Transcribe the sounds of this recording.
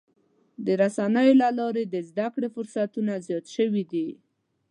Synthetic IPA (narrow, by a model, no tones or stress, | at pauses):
d̪əɾasanəjolalɑɾed̪əzd̪akɽefʊɾsat̪unazjɑt̪ʃəwid̪i